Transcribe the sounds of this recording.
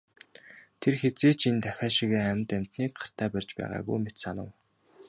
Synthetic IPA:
t̪ʰerxet͡seːt͡ɕʰint̪æxʲaːʃiɣeːæmt̪æm̥ʲt̪niːkɢḁr̥t̪ʰæːpærʲt͡ɕpæ̰ːʁa̰ːɣṵjmet̪sanə̆ŋ

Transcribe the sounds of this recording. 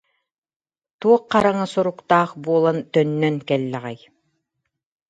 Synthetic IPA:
t̪uɔqːɑɾaŋasuɾukt̪aːχbuɔlˠant̪œnːœnkɛlːɛʁɛj

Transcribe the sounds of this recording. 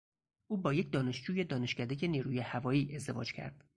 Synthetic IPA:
ʔuːbɒːje̞cʰd̪ɒːne̞ʃd͡ʒuːje̞d̪ɒːne̞ʃcæd̪ejeniːɾuːjehævɒːjiːʔe̞zd̪e̞vɒ̰ːd͡ʒcʰæ̰ɾd̪̥

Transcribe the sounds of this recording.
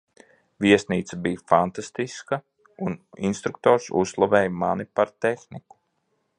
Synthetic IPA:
viɛsniːt̪sabijfant̪ast̪iskɐ | unḭnst̪ɾuk̚t̪ɔːɾsṵslˠavɛːjmanipaɾt̪exniku̥

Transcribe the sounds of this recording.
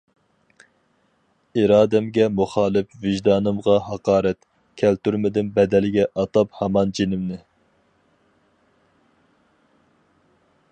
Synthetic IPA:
iɾɑːd̪ɛmɡʲɛmuχɑːlˠɪpvɪʒd̪ɑːnɨmʁɑɦɑqɑːɾɛt̪ | kʲʰɛlt̪yɾmɪd̪ɪnbɛd̪ɛlɪɡʲɛʔɑt̪ɑphɑmɑnd͡ʒenɪmnɪ

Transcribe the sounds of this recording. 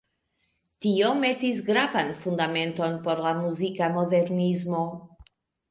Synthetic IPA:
tio̞me̞tis̬ɡɾavanfundame̞nto̞npo̞ɾlamuzikamo̞de̞ɾnizmo̞

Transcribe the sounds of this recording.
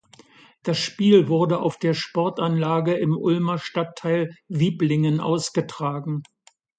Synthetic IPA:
d̥asʃpiːlvʊɐdəʔa̰ʊfd̥eːɐʃpɔɐtʔanlaːɡəɪmʔʊlmɐʃtatʰːaɪlviːplɪŋənʔa̰ʊsɡ̥ətʁ̥aːɡŋ̩

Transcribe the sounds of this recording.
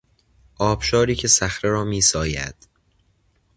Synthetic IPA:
ʔɒːb̥ʃɒːɾiːcʰe̞sæxɾeɾɒːmiːsɒːjæ̰d̪̥

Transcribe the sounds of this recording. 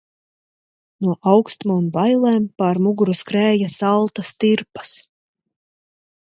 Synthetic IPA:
nuɔʔawkst̪muːmvajlˠɛːmpaɾmuɡuɾuskɾɛːjasalˠt̪ast̪iɾpḁs

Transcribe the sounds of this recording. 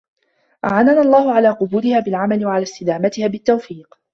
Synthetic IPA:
ʔaʕananalˤːɑːhʊʕalaːqʊbuːɾɪhaːbɪlʕamalɪwaʕalaːst̪ɪd̪aːmat̪ɪhaːbɪt̪ːawfiːq

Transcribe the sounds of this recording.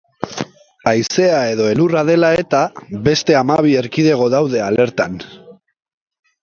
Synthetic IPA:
ajse̞ae̞ðo̞e̞lurað̞e̞lae̞t̪aβe̞st̪e̞amaβ̞ie̞ɾkiðe̞ɣ̞o̞ðawðe̞ale̞ɾt̪an

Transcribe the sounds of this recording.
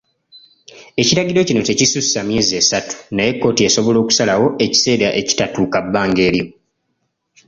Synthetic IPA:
e̞ciɾaɡiɾo̞cino̞te̞cisusːaːmje̞ːziesatu̥naje̞kːo̞ːtieso̞βo̞lo̞ːku̥salawo̞ʔe̞ci̥se̞ːɾaʔe̞ci̥tatuːkabːaːŋɡe̞ːlimu

